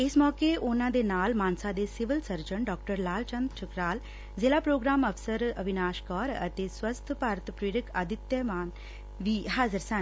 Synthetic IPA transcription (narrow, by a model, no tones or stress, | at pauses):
ɪsmɔːkeʔʊnãːd̪eːnaːlmaːnsad̪eːsɪʋəlsəɾd͡ʒəɳɖɔːk̚ʈəɾlaːlt͡ʃə̃nd̪t͡ʃʊkɾaːl | zeːlaːpɾoːɡɾaːməfʰsəɾəbɪnaːʃkɔːɾə̰t̪eːswəst̪ʰpaːɾət̪pɾiːɾəkʰaːd̪ɪt̪jəmaːn | ʋiːɦaːzəɾsən